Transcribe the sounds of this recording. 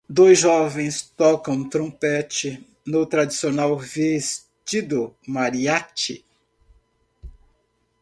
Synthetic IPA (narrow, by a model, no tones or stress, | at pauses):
d̪ojzʒɔvẽj̃st̪ɔkɐ̃w̃t̪ɾõpɛt͡ʃɪ | nʊt̪ɾad͡ʒisionawves | t͡ʃid̪ʊmaɾiat͡ʃɪ